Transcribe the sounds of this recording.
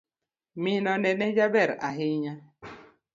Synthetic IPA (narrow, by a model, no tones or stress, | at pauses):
minɔnɛnɛd͡ʒabɛɾa̰ɦiɲa